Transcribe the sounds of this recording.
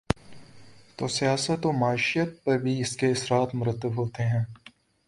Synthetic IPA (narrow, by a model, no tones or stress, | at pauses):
t̪oːsijaːsət̪oːmaːɪʃijət̪̚pɐɾbʱiɪskeɪsɾaːt̪mʊɾət̪ːəbɦoːt̪eɦɛ̃ː